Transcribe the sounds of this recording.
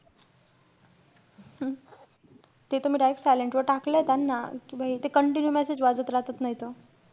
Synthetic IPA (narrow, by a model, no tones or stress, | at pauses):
t̪et̪um̤iːɖajeksajleɳʈʋəɾʈakləjet̪anːakĩʋaɦit̪ekəɳʈinjumɛsed͡ʑʋad͡zət̪ɾaɦt̪ət̪naɦit̪o